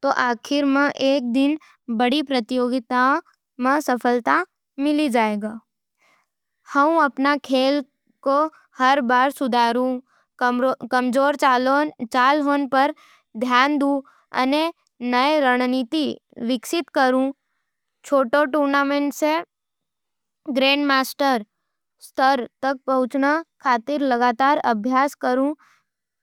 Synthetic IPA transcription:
t̪oʔaːkʰɪɾmə̃ʔeːk̚d̪ɪn | bəɽipɾət̪ɪjoːɡɪt̪a | mãsəpʰəlt̪a | mɪlid͡ʒaːeɡaː | həũəpnakʰeːl | ko | həɾbaːɾsʊd̪ʱaːɾũ | kəmd͡ʒoːɾt͡ʃalot͡ʃaːlɦonpəɾ | d̪ʱjand̪ũ | ə̰ne | nəeɾəɽ̃nit̪iʋɪksɪt̪kəɾũ | t͡ʃʰoʈoʈuɾnameɳʈse | ɡɾẽɳɖmasʈəɾ | st̪əɾt̪ək̚pəɦʊt͡ʃnəkʰat̪ɪɾləɡat̪aɾəbʱjaskəɾũ

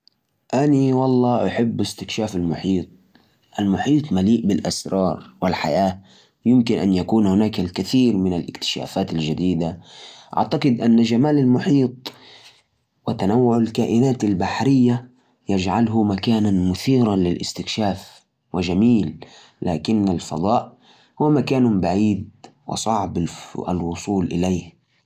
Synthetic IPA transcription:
ʔaniwɑlˤːɑːʔaħɪbːɪst̪ɪkʃaːfalmʊħiːt̪̚ˤ | ʔalmʊħiːt̪ˤmaliːʔbɪlʔasɾˤɑːɾˤwɪlħa̰jaː | jɪmkɪnʔa̰njakuːnhʊnaːkalkɪθiːɾmɪnalʔɪ̰kt̪ɪ̥ʃa̰ːfaːt̪alʒad̪iːd̪aʔa̰ʕt̪aqɪd̪ʔanːaʒamaːlalmʊħiːt̪̚ˤ | wɪt̪anawːʊʕalkaːʔɪnaːt̪albaħɾɪjːa | jad͡ʒʕalɦʊmakaːnanmʊθiːɾanlɪlʔɪ̰st̪ɪkʃaːf | wɪʒamiːlː | a̰ːkɪnːalfɑ̰d̪ˤɑːʔ | hʊwmakaːnʊmbaʕiːd̪̚wɪ̰sˤɑʕba̰lwʊsˤuːlʔɪ̰lejh

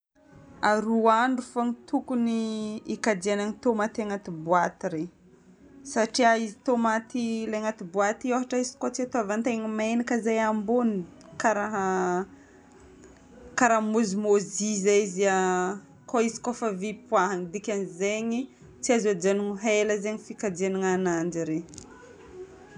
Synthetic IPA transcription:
aɾuaɳɖ͡ʐufaŋit̪ukuniːkad̪ianaŋit̪omat̪aŋat̪ibuat̪iɾe | saʈ͡ʂiaizit̪omat̪ileŋat̪ibuat̪ioɦaʈ͡ʂaizi̥kot͡siat̪oavant̪eŋimenakəzajambuni | kaɾaɦa | kaɾamuzimozizaizia | koizi̥kofəvipwaɦanid̪ikʲanizeɲi | t͡siazad͡ʒanuŋɦeləzeɲifikad͡ʒienaŋanand͡ʒiɾe

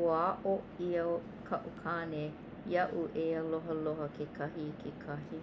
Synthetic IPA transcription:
uaʔo | iə | kʰɐʔukʰaːne | jɐʔuʔeɐloɦəloɦəkʰekʰɐhikʰekʰɐhi

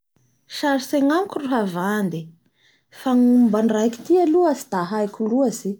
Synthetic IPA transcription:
ʃaɾiseŋamukʲuruɦavand̪i | faŋumbanrajki̥t̪ialuazid̪̥aɦajkʲuluazi

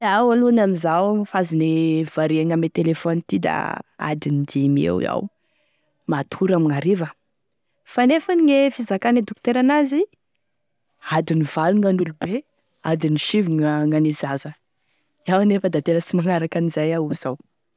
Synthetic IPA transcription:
awanunamizawfazinev̥aɾiaŋamet̪elefɔnit̪id̪a̰a̰d̪inid̪imḛw̰a̰w | mat̪ʰuɾamiŋaɾivə | fanefaniŋefizakaned̪okt̪eɾanazi | ad̪inivaluŋanulube | ad̪iniʃiviŋaŋanizazə | iawnefəd̪at̪eləsimaŋaɾakanizajauz̥aw

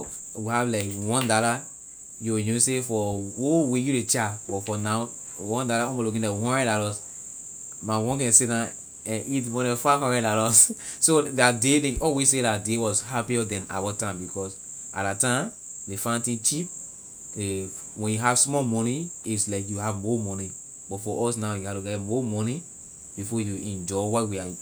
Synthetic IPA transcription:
wihavlaɪkwɔ̃ndala | juwnũsefɔwowejuɾet͡ʃabɔfɔnaʊ | wɔ̃ndalaɔ̃ɡolukĩndɛ̃wɔ̃ɹɛ̃ndalɔs | mawɔ̃nkɛ̃nsedã | ɛ̃nitwɔ̃nɛ̃fakɔ̃ɹɛ̃ndalɔs | sodadeleɔlwessedadewɔshapiɔdɛ̃na̰batãɪ̃mbikɔsa̰datãɪ̃m | defãɪ̃ntĩŋt͡ʃip̚ | e | wɛ̃njuɦavsmɔlmɔniislaɪkjuɦavmɔmɔni | b̥ɔtfɔʔɔsnaʊjuhatuɡɛtmɔmɔni | b̥ifɔjuɛ̃nd͡ʒɔɪwawia

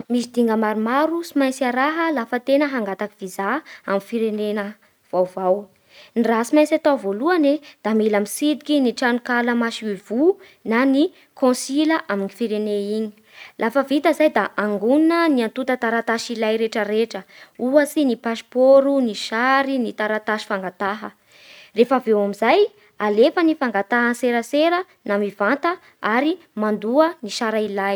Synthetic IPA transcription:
misid̪iŋɡəmaɾumaɾusimajt͡saɾaɦəlafət̪enəɦaŋɡat̪akiv̥izaamifiɾenenə | v̥awvaw | nirasimajsat̪awvoluaned̪̥amilamisid̪ikiniʈ͡ʂanukaləmaʃiivu | nani | kõsiləʔaminifiɾeneiɲi̥ | lʔafəvit̪əzajd̪aʔaŋɡuninəniant̪ut̪ət̪aɾat̪aʃilajɾeʈ͡ʂəɾeʈ͡ʂəuasinipaspoɾuniʃaɾinit̪aɾat̪aʃi̥faŋɡat̪aɦə | refavewamizaj | alefənifaŋɡat̪aɦənseɾəseɾə | namivant̪ə | aɾi | mand̪uəniʃaɾailaj

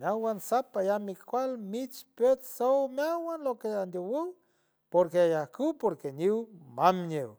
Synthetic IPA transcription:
meawansapajamikkʷalmit͡ʃpet͡ssowmeawanlokeand̪owiw | poɾkeajahkupoɾkeniwmamɲew

